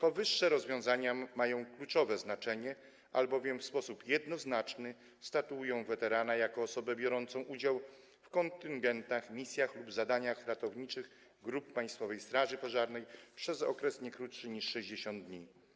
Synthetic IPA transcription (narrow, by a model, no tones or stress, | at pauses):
pɔvɘʂːɛɾɔzvʲjɔ̃w̃zaɲamajɔ̃w̃klut͡ʂɔvɛznat͡ʂɛɲɛ | ʔalbɔvʲjɛmfspɔsupjɛd̪nɔznat͡ʂnɘ | st̪at̪uujɔ̃w̃vɛt̪ɛɾanajakɔːsɔbɛbʲjɔɾɔnt̪sɔ̃w̃ʔud͡ʑaw | fkɔnt̪ɘŋɡɛnt̪axmʲisʲjaxlubzad̪aɲaxɾat̪ɔvɲit͡ʂɘɣ | ɡɾupːaj̃st̪fɔvɛjst̪ɾaʐɘpɔʐaɾnɛjpʂɛzɔ̰kɾɛsɲɛkɾutʂɘɲiʂʂɛʑd͡ʑeɕɔnd̪̚d̪ɲi